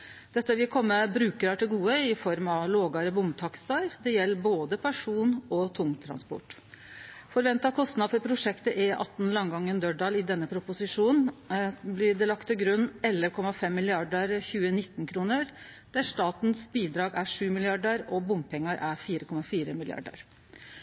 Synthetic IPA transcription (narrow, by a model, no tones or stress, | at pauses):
d̪̥ɛt̪ːəʋɪlkʰɔmːəbɾʉːkəɾɑʈɪlɡuːəɪfɔɾmɑʋloːɡɑɾəbʊmbt̪ʰɑkst̪ɑɾd̪ɛjɛlːboːd̪əpʰæʂuːnɔt̪ʰʊŋt̪ʰɾɑ̰nspɔ̰ʈː | fɔɾʋɛnt̪ɑkʰɔst̪nɑd̪fɔɾpʰɾʊʂɛkt̪əʔɛʔɑ̰t̪ːn̩lɑŋɡɑŋːənd̪œɖɑlɪd̪ɛnːəpʰɾʊpʊsɪʂuːnn̩blɪɖɛlɑkt̪ʰːɪlɡɾʉnːɛlːəkʰɔmɑfɛmːɪlɪɑɖəɾçʉːənɪt̪ːnkʰɾuːnəɾ | d̪̥æʂt̪ɑːt̪n̩sbiːd̪ɾɑːɡæʂʉːmɪlɪɑɖəɾɔbʊmpʰɛŋːɑɾʔæɾfiːɾəkʰɔmːɑfiːɾəmɪlɪ̰ɑ̰ɖə̰ɾ